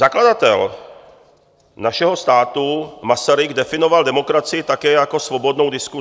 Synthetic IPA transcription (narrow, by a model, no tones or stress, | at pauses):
zaklad̪at̪ɛl | naʃɛɦost̪aːt̪umasaɾɪɡd̪ɛfɪnovald̪ɛmokɾat͡sɪɪt̪akɛːjakosvobod̪nowd̪isku